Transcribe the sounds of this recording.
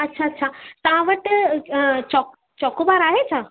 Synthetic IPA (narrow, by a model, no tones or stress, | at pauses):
ətːɕʰaətːɕʰat̪ãʋəʈ | t͡ɕɔk | t͡ɕɔkobaɾaɦet͡ɕa